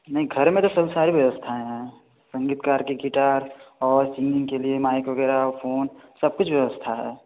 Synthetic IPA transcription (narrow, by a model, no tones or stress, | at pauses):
nɐɦĩɡʱɐɾmẽt̪osɐbsaːɾiʋjɐʋəst̪ʰaɦɛ̃ː | sɐ̃ŋɡiːt̪kaːɾkiɡiʈaːɾɔːɾsɪ̃ŋɡɪ̃ŋkeliemaːɪkʋɐɡɛːɾafʰoːnsɐb̚kʊt͡ʃʰʋjɐʋəst̪ʰaɦɛ̰ː